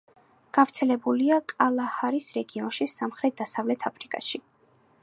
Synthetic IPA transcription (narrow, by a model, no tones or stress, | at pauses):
ɡ̥avt̪sʰɛlɛbuliakʼalˠahaɾisɾɛɡiɔnʃisamχɾɛt̪̚d̪̥asavlɛt̪ʰapʰɾikʼa̰ʃi